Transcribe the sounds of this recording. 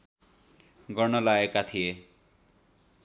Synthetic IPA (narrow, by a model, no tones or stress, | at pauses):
ɡʌnʌlaekat̪ʰije